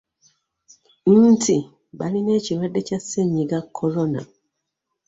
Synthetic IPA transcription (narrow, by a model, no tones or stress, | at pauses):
n̩ːtʰi | baline̞ːciɾadːe̞caseɲːiɡakʰːolona̰